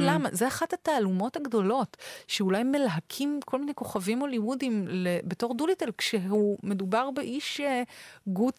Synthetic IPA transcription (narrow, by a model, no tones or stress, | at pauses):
lama̰zeaχathataːlumo̞thaɡdo̞lo̞tʃeulajmelɦakʰimkʰo̞lminejko̞χavimo̞limudimlebeto̞ʁdulitelkʃeume̞dubaʁbeʔiʃeɡu